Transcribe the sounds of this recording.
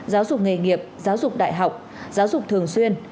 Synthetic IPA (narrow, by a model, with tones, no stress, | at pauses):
zaː˨˦wzʊ˨˩k͡p̚ŋe˨˩ŋi˨˩əp̚zaː˨˦wzʊ˨˩k͡p̚ɗa̰ː˧˨jɦa˨˩wk͡p̚ | zaː˨˦wzʊ˨˩k͡p̚t̪ʰɨ˨˩əŋswi˧ən